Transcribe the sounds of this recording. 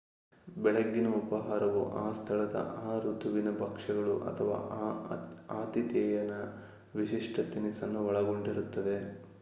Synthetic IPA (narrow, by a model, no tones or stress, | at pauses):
bɛɭɐɡːinɐupɐɦaːɾɐʋuʔaːst̪ʰɐɭɐd̪ɐ̰ʔaːɾut̪ʰuʋinɐbɐkʂɐɡɐɭṵʔɐ̰t̪ʰɐʋa̰ː | aːt̪it̪jɐjɐnɐ | ʋiʃiʂʈʰɐt̪inisɐnːuʋɐɭɐɡo̞ɳɖiɾut̪ːɐd̪e̞